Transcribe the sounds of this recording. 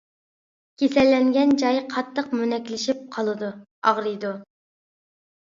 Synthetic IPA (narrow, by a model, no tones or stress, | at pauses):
kʲʰesɛlːɛŋɡʲɛnd͡ʒɑjqʰɑt̪ʰːəqmynɛkʲlɪʃip̚qʰɑlˠɨd̪u | ɑʁɾɨjd̪u